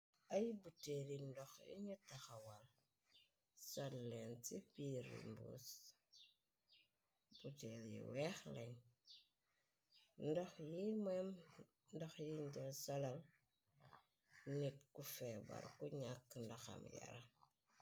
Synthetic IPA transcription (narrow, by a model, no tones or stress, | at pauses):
ajibutelindoxḭɲitaxawal | salːentipiɾḭmbṵs | b̥utelḭwexlen | ndoxjimem | ndoxjind͡ʒelsalal | nit̚kufeba̰ɾkuɲakːndoxa̰mja̰ɾa